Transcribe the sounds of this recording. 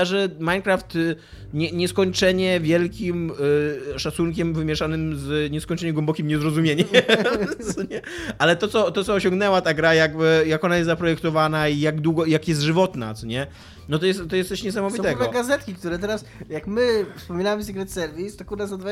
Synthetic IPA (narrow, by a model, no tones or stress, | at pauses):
aʐɛmajnkɾaft̪ | ɲɛɲɛskɔɲt͡ʂɛɲɛvʲjɛlkʲim | ʂat̪sunkʲɛmvɘmʲjɛʂanɘmzɲɛskɔɲt͡ʂɛɲɛmɡwɛmbɔkʲimɲɛzɾɔzumʲjeɲɛmmsɔɲɛalɛt̪ɔt̪sɔt̪ɔt̪sɔːɕɔ̃ŋɡnɛwat̪aɡɾajaɡjakɔnajɛs̬t̪zapɾɔjɛkt̪ɔvanaijaɡd̪wuɡɔjakjɛst̪ʐɨvɔt̪na̰t̪sɔɲɛ | nɔt̪ɔjɛst̪t̪ːɔjɛst̪ɛɕɲɛs̬amɔvʲit̪ɛɡvɛɡazɛt̪kʲik̚t̪uɾɛt̪ɛɾasjakmɘfspɔmʲinawmsikɾɛt̪sɛɾvʲist̪ɔkuɾd̪azad̪va